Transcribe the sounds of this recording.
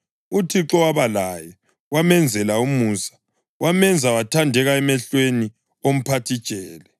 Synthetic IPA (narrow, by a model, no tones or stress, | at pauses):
utʰiǁɔwaβalajɔ | wamɛnd͡zʱɛlaumuːsḁ | wamɛnd͡zʱawatʰandʱɛɣaɛmɛɬweni | om̩pʰatʰi̥t͡ʃʼɛːlɛ